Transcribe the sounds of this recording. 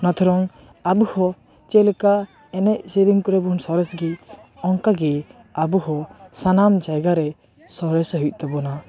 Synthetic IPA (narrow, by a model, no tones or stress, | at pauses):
nat̪ʰɔɾɔŋ | abuhɔ | t͡ʃɛlɛka | ɛnɛc̚sed̪iŋkɔɾɛbunsɔɾɛsɡiɔŋkaɡi | abuhɔsanamd͡ʒajɡaɾɛ | sɔɾɛsɦujc̚ˀt̪ɛbɔna